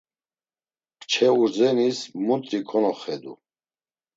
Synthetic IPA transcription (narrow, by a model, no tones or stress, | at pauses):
kt͡ʃʰɛuɾd͡zɛnismut̪ʼɾikʰɔnɔχɛd̪ṵ